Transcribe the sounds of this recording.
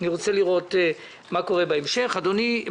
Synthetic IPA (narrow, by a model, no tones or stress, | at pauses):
niʁot͡seliʁo̞t̪e | mako̞ʁebaemʃe̞χad̪oni